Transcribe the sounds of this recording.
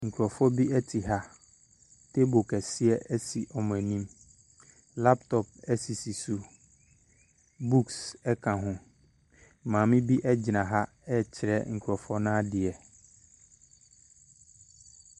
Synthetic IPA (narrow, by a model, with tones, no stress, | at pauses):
ŋ̩˨kʰu˨ɾɔ˨fɔ˦bi˦ɛ˦tʰi˨ɦa˦ | tʰe˦bo˨kʰɛ˨sɪ˦ɛ˦ɛ˦si˨ʔɔ˨m̃˨æ˨nĩ˦m | la˦p̚tʰɔ˨p̚ɛ˦si˨si˨su˦ | bu˦ksɛ˦kʰã˨ɦʊ̃˦ | mãː˨mɪ̃˦bi˦ʔɛ˦d͡ʑɪ˨nã˨ɦa˦ | ɛ˦t͡ɕʰɪ˨ɾɛ˦ŋ̩˨kʰu˨ɔ˨fɔ˦nãː˦dɪ˨ɛ˨